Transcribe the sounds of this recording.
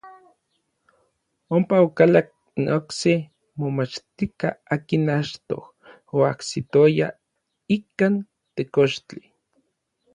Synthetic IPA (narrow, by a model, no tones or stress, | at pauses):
ompaokalak̚ | nokse | momat͡ʃt̪ika̰aːkinat͡ʃt̪o̰h | oaksit̪oja | ikan | t̪ekoʃt͡ɬi